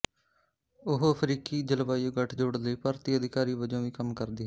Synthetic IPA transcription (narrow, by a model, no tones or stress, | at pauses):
ʊɦoəpʰɾiːkiːd͡ʒəlʋaːijoːɡəʈʰd͡ʒoːɽləiːpaːɾt̪iːəd̪ɪkaːɾiːʋəd͡ʒõːʋiːkəmkəɾd̪iːɦ